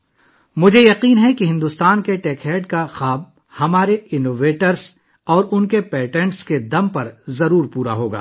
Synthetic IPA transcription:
mʊd͡ʒʱejɐqiːnɦɛkiɦɪ̃nd̪ʊst̪aːnkeʈɛːkɦɛːɖkaxaːb̚ | hɐmaːɾeɪnoːʋeːʈəɾs | ɔːɾʊnkepɛːʈɛ̃ɳʈsked̪ɐmpɐɾzɐɾuːɾpuːɾa̰ɦoːɡa̰ː

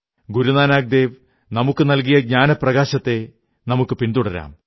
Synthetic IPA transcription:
ɡuɾunaːnaːɡ̚d̪e̞ːʋ | nɐmukːɨnɐlk̬ijɐɡ̚ɲaːnɐpːrɐɣaːɕɐt̪ːe̞ | nɐmukːɨpind̪uɽɐɾa̰ːm

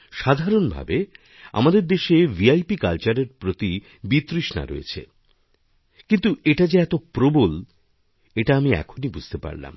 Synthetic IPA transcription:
ʃad̪ʱaɾonbʱa̰be | a̰mad̪eɾd̪eʃeviajpikalt͡ɕaɾeɾpɾot̪i | bit̪ɾiʃna̰ɾo̰ḛt͡ɕʰḛ | kint̪uʔeʈad͡ʑaɛt̪opɾobol | eʈaamiɛ̰kʰonibud͡ʑʱt̪epa̰ɾla̰m

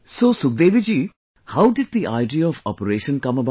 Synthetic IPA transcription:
soːsʊk̚d̪eːʋid͡ʒiː | haʊɖɪɖ̚d̪iʔaɪɖijaɔfɔ̰pəɾeːʃə̃nkɐməba

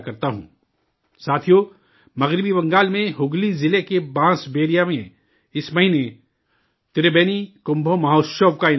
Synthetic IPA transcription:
kɐɾt̪aɦṵ̃ː | saːt̪ʰijo | mɐɣɾɪbibɐ̃ŋɡaːlmẽɦʊɡlizɪlekebãːsbeːɾijamẽ | ɪsmɐɦine | t̪ɪɾebeːnikʊ̃mbʱomɐɦoːʃobkaɪ

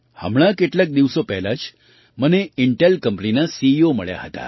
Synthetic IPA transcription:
hə̰mɭakeʈljak̚d̪iʋsopɛɦlat͡ɕ | məneiɳʈelkəmpəninasiːoməɭja̰ɦət̪a̰

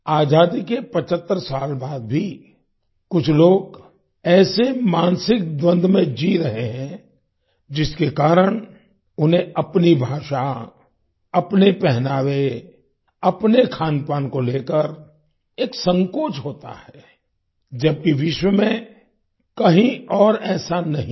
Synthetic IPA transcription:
aːd͡ʒaːd̪ikepɐt͡ʃət̪ːəɾsaːlbaːd̪̚bʱi | kʊt͡ʃʰloːɡ | ɛːsemaːnsɪk̚d̪wə̃nd̪ʱmẽd͡ʒiɾɐɦeɦɛ̃ | d͡ʒɪskekaːɾəɽ̃ | ʊnɦẽʔɐpnibʱaːʃa | ɐpnepɛɦnaːʋe | ɐpnekʰaːnpaːnkoleːkəɾ | eːksə̃ŋkoːt͡ʃɦoːt̪a̰hɛː | d͡ʒɐb̚kiʋɪʃwəmẽ | kɐɦĩɔːɾɛːsanɐɦĩ

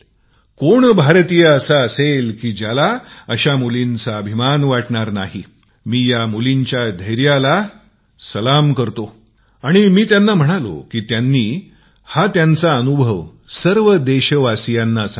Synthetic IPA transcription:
koɳbʱaɾt̪ijəəsaəselkiːd͡ʑalaəɕamulint͡saəbʱimanʋaʈɳaɾnaɦi | miːjamuliɲt͡ɕjad̪ʱəjɾjala | səlamkəɾt̪o | aɽ̃imiːt̪janːam̤əɽ̃alo̰kiːt̪janːiː | hat̪jant͡saənubʱəʋ | səɾʋəd̪eɕəʋasijanːas

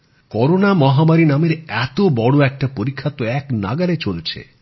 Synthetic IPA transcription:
kɔɾonamɔɦamaɾinameɾɛt̪obɔɽoɛk̚ʈapoɾikʰːat̪oɛkna̰ɡaɾet͡ʃolt͡ʃʰḛ

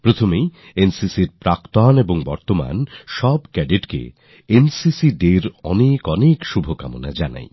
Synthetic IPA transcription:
pɾot̪ʰomej | ensisiɾpɾakt̪oɦaneboŋbɔɾt̪oma̰nʃɔbkɛɖiʈkḛ | ensisiɖeɾɔnekɔnekʃubʱoka̰mona̰d͡ʑana̰j

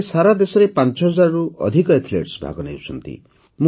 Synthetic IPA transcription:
saɾad̪esɔɾepant͡ʃɔɦɔd͡ʒaɾɔɾuʔɔ̰d̪ʱikɔet̪ʰilḛʈsbʱa̰ɡɔneut͡ʃʰɔ̰nt̪ḭ | mũ

